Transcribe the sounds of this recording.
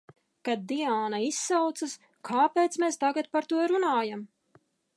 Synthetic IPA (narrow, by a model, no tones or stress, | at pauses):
kad̪̚ːiaːnaisːawt̪sas | kʰaːpeːt̪smeːst̪aɡat̪̚paɾt̪uɔɾunaːjam